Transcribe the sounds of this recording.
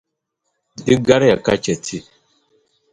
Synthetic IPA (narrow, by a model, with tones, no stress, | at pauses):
di˦ɡa˦ɾja˨ka˦t͡ʃɛ˨tʰi˦